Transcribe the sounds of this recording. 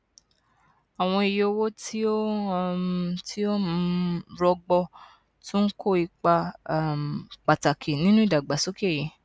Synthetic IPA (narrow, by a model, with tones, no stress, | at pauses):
a˨w̃ɔ̃˧i˨jo˧wo˦tʰi˦o˦ | tʰi˦o˦mũ˦ɾɔ˧ɡ͡bɔ˧ | tʰũ˦kʰo˦˨i˧k͡pa˧˦˨ | k͡pa˨ta˨kʰi˨nĩ˦nũ˦i˦˨da˨ɡ͡ba˨so˦ke˦˨ji˨˦